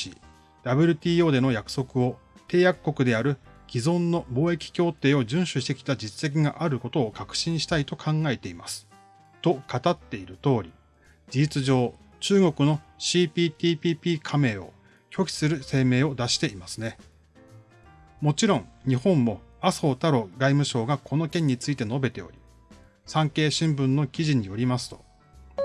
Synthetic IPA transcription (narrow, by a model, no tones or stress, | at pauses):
ḭ | d̪̥abɯ̟ɾʲɯ̟t̪ʲiːo̞ːd̪e̞no̞jakɯ̥so̞kɯ̟o̞ | t̪e̞ːjakːo̞kɯ̟d̪e̞aɾɯ̟ɡʲizõ̞nːo̞bo̞ːe̞kʲi̥kʲo̞ːt̪e̞ːo̞ʑɨ̃ɰ̃ɕɨɕi̥t̪e̞kʲi̥t̪ad͡ʑit͡sɨ̥se̞k̬ʲiɡaʔaɾɯ̟ko̞t̪o̞ːkakɯ̥ɕĩɰ̃ɕi̥t̪ait̪o̞kʰãŋɡae̞t̪e̞imasɨ̥ | t̪o̞kat̪at̪ːe̞iɾɯ̟t̪o̞ːɾʲi | d͡ʑiit͡sɨʑo̞ː | t͡ɕɨːɡo̞kɯ̟no̞ɕiːpʲiːpʲiːpʲiːpʲiːkʰame̞ːo̞ | kʲʰo̞kʲi̥sɨɾɯ̟se̞ːme̞ːo̞d̪aɕi̥t̪e̞imasɨne̞ | mo̞t͡ɕiɾõ̞ŋɲ̟ihõ̞mːo̞aso̞ːt̪aɾo̞ɡaimɯ̟ɕo̞ːɡakʰo̞no̞kẽ̞ɲ̟ːit͡sɨit̪e̞no̞be̞t̪e̞o̞̰ɾʲi | sãŋke̞ːɕĩmbɯ̟̃nːo̞kʲiʑiɲ̟ijo̞ɾʲimasɨ̥t̪o̞̥